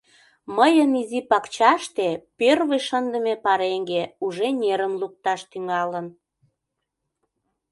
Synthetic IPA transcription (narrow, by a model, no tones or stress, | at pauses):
məjənizipɑkt͡ɕɑʃt̪epørβəjʃənd̪əmepɑɾeŋɡeuʒenʲeɾəmluk̚t̪ɑʃt̪yŋɑlən